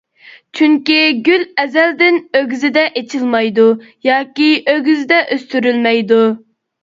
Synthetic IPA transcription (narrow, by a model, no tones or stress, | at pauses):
t͡ʃʰyŋkʲiɡʲylɛzɛld̪ɪnøɡʲyzɪd̪ɛʔet͡ʃʰilmɑjd̪ujɑːkʲiøɡʲyzɪd̪ɛʔøst̪yɾylmɛjd̪u